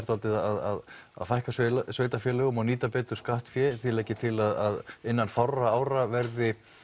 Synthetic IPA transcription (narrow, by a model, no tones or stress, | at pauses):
ɾt̪alt̪ɪðaaða̰ða̰ðfajhkassveːjt̪afjɛːlɛɣʏmawniːt̪apɛːt̪ʏɾ̥skaht̪fjɛθilɛhcɪt̪ʰɪlaðaðɪnːanfawrːaaːwɾavɛɾðɪ